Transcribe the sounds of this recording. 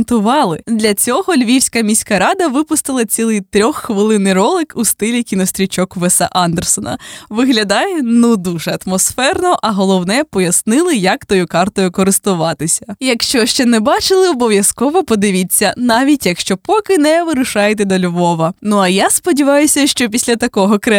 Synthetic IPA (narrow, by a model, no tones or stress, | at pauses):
nt̪ʊʋɑlˠɪd̪lʲɐt͡sʲɔɦɔlʲʋʲiwsʲkɐmʲisʲkɐɾɑd̪ɐʋɪpʊst̪ɪlˠɐt͡sʲilˠɨjt̪ɾʲɔxːʋɪlˠɪnɪjrɔlˠɪkust̪ɪlʲikʲinɔst̪ʲɾʲit͡ʃɔkʋɛsɛ̰ʔɑnd̪ersɔnɐ̰ʋɪɦlʲɐd̪ɑjɛnud̪uʒɛɐt̪mɔsfɛrnɔʔɐɦɔlˠɔwnɛpɔjɐsnɪlˠɪjɐkt̪ɔjʊkɑrt̪ɔjʊkɔɾɪst̪ʊʋɑt̪ɪsʲɐ̥jɐkʃt͡ʃɔʃt͡ʃɛnɛbɑt͡ʃɪlˠɪɔbɔʋʲjɐskɔʋɔpɔd̪ɪʋʲit͡sʲːɐnɑʋʲitʲjɐkʃt͡ʃɔpɔkɪnɛʋɪɾʊʃɑjɛt̪̬ɛd̪ɔlʲʋɔʋɐnuɐjaspɔdʲiʋɑjʊsʲɐʃt͡ʃɔpʲisʲlʲɐt̪ɐkɔɦɔkɾɛ